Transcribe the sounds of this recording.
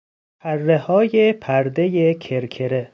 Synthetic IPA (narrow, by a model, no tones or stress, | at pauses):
pʰærːehɒːjepʰæɾd̪ejekʰeɾkʰeɾe